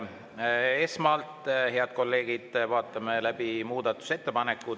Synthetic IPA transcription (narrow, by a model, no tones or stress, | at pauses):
e̞smɑlt̪ˑhe̞ɑd̪̥̚ko̞lːe̞ːɡid̪̥vɑːt̪ːˑɑmelæb̥imuːd̪ɑt̪ːˑu̥se̞t̪ːe̞pɑne̞kːˑu